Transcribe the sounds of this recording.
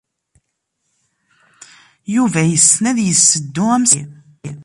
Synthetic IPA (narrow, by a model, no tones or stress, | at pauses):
juvæjəsnæðjəsːəd̪ːʊæms